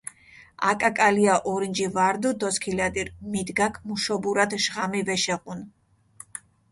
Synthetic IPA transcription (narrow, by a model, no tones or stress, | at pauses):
akʼakʼaliaʔɔɾind͡ʒivaɾd̪ud̪ɔskʰilad̪iɾmid̪ɡakʰmuʃɔbuɾad̪ʃʁamivɛʃɛʁʼun